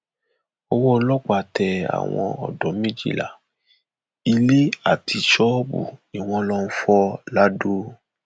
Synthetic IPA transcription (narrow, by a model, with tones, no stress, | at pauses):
ɔ˧wɔ˦˧˦lɔ˦k͡pa˧˨tɛ˧a̰˨w̃ɔ̃˧ɔ̰˨dɔ˨˦mĩ˦d͡ʒḭ˦˨la̰˨ | i˧le˦a˨tʰi˧ʃɔ˦bṵ˨i˨w̃ɔ̃˧lɔ˦n̩˦fɔ˦la˦do˦